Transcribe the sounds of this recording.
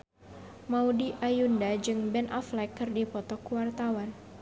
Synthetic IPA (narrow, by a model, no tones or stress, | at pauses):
maudiʔajundad͡ʒɨŋbɛnʔɔflakːɨrdipɔt̪ɔkuwart̪awan